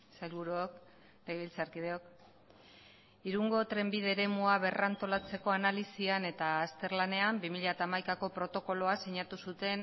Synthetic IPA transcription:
sajlβuɾuok | neβilt͡saɾkið̞e̞o̞k | iɾuŋɡo̞t̪ɾe̞mbiðe̞ɾe̞muaβ̞e̞rant̪o̞lat͡se̞ko̞analisiane̞t̪aːst̪e̞ɾlane̞ambimiʎat̪aːmajkako̞pɾo̞t̪o̞ko̞lo̞aseɲat̪usut̪e̞n

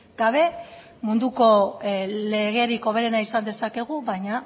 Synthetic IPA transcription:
ɡ̥aβe̞ | mund̪uko̞le̞ɣ̞e̞ɾiko̞β̞e̞ɾe̞naisand̪e̞sake̞ɣ̞uβaɲa

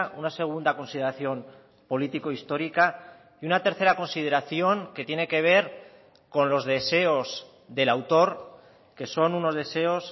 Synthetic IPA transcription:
ʔunase̞ɣ̞und̪ako̞nsiðe̞ɾaθjo̞m | po̞lit̪iko̞ist̪o̞ɾika | iunat̪e̞ɾθe̞ɾako̞nsið̞e̞ɾaθjo̞ŋke̞t̪je̞ne̞ke̞β̞e̞ɾ | ko̞nlo̞zðe̞se̞o̞z | ðe̞lawt̪o̞ɾ | ke̞so̞nuno̞zðe̞se̞o̞s

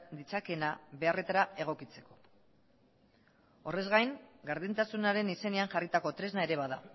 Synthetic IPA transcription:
d̪it͡sake̞naβe̞are̞t̪aɾae̞ɣ̞o̞kit͡se̞ko̞̥ | o̞re̞zɣajŋɡaɾðint̪asunaɾe̞nise̞ne̞aŋʝarit̪ako̞t̪ɾe̞znae̞ɾe̞βaða

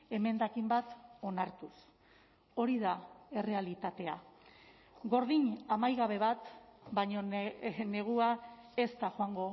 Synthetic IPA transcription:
e̞me̞nd̪akimbat̪o̞naɾt̪us | o̞ɾiðae̞re̞alit̪at̪e̞a | ɡo̞ɾð̞iɲamajɣaβ̞e̞βat̪baɲo̞ne̞ɣ̞uae̞st̪axoaŋɡo̞

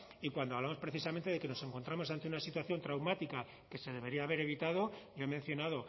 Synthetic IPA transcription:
ikwand̪oaβlamo̞spɾe̞θis̬ament̪e̞ð̞e̞ke̞no̞se̞ŋko̞nt̪ɾamo̞sant̪e̞unasit̪waθjo̞nt̪ɾawmat̪ika | ke̞se̞ð̞e̞βe̞ɾiaːβe̞ɾe̞βit̪að̞o̞ɟ͡ʝoemenθjo̞naðo̞

